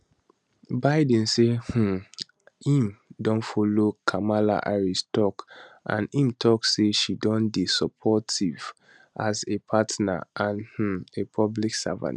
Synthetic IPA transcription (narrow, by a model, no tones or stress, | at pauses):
baɪd̃nseh̩ | hĩmdɔ̃nfɔlokʰamala̰ʔaɹistʰɔkʔã̰nĩmtʰɔksseʃidɔ̃nbisɔpʰɔtiv | ʔazepʰatna̰ʔãnh̩epʰɔbliksa̰vã̰n